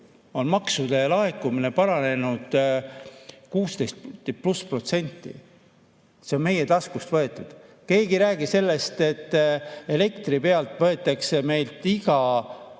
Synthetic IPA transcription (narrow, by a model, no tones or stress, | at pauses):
o̞nmɑksud̪̥elɑekːumine̞pɑɾɑne̞nud̪̥ | kuːst̪e̞jst̪̚pluspro̞t̪se̞nʲt̪ːˑḭ | se̞o̞nme̞je̞t̪ɑskust̪vɤ̞e̞t̪ːˑud̪̥ke̞ːɡiɾæːɡ̥ise̞lːe̞st̪e̞t̪ːe̞le̞kt̪ripe̞ɑlt̪ˑvɤ̞e̞t̪ːˑekseme̞jlt̪iɡ̥ɑ